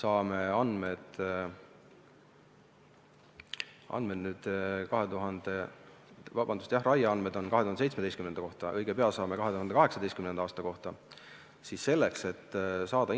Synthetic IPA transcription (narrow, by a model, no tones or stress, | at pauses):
sɑːme̞ɑnmed̪̥ | ʔɑ̰nmed̪nyːd̪̥kɑɦe̞t̪uɦɑnd̪̥e̞ | vɑb̥ɑnd̪̥ust̪jɑhrɑjɑɑnme̞d̪̥o̞nkɑɦet̪uhɑneejtsmed̪eskymnend̪̥ɑko̞ht̪ɑʔɤjɡ̥epe̞ɑlsɑːme̞kɑɦe̞t̪uɦɑnd̪ekɑɦe̞ksɑd̪e̞jst̪kymnenɑɑːst̪ɑko̞ht̪ɑ | sisːe̞lːe̞kset̪ːˑsɑːd̪̥ɑ